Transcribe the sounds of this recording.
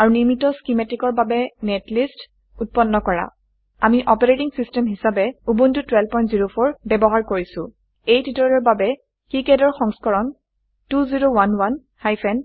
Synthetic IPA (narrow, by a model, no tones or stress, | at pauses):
aɹuniɹmitɔskimɛtikɔɹbabɛnɛtlist | ut̚pɔnːɔkɔɹa̰ | amiʔɔpɛɹetiŋsistɛmɦisabɛubuntutwɛlpɔjntziɹopʰɔɹbɛbɔɦaɹkoɹisʊ̃ | ejtitɔlɔɹbabɛ | kikɛdɔɹxɔŋskɔɹɔn | tuziɹowanwan | hajpʰɛn